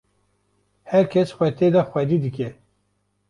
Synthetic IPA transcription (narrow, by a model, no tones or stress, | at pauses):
hɛɾkʰesxwɛt̪ʰed̪axʷwʷɛd̪id̪ɨke